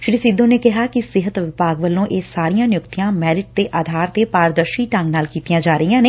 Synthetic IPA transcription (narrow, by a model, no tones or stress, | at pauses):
ʃɽiːsiːd̪õːneːkɪɦaːkɪsɪɦət̪ʋɪpaːɡʋəlːõːʔeːsaːɾijãːnɪjʊkt̪ɪjãːmɛːɾɪʈ̚t̪eːʔaːd̪ʱaːɾt̪eːpaːɾəd̪əɾʃiːʈə̃ŋɡnaːlkiːt̪ijãːd͡ʒaːɾəijãːneː